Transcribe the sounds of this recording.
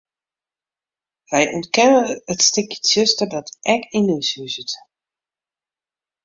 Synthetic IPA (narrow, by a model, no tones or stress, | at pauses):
ʋɛjʔɔ̰nt̚kɛnəətstɪkjətsøstərdɔtʔɛkinisysət